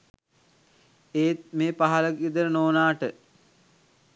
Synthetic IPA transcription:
eːt̪meːpaɦaləkid̪əɾənoːnaːʈə

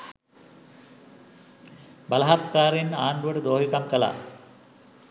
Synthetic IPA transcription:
balɐɦat̪kaːɾenːaːɳɖuʋəʈəd̪oːɦikamkəla̰

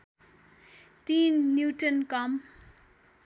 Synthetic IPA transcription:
t̪iːnːjuːʈənkʌm

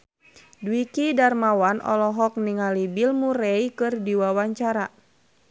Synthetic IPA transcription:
duwikidarmawanʔɔ̰lɔɦɔk̚niŋalibilmuɾɛikɨrdiwawaɲt͡ʃaɾa

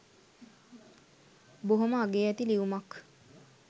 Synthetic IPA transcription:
boɦoməaɡeːæt̪iliʋumak

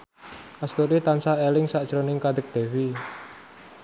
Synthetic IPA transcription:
ʔast̪oɾit̪ansaelɪŋsaʔd̥ʒ̥ɾonɪŋkad̪̥ək̚d̪̥e̤wi

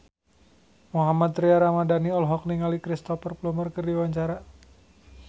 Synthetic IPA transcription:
muɦamat̪ɾiaɾamadaniɔlɦɔk̚niŋalikɾist̪ɔfərplumərkərdiwaɲt͡ʃaɾa

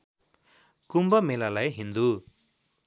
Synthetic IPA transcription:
kumbʌmelalajɦind̪u

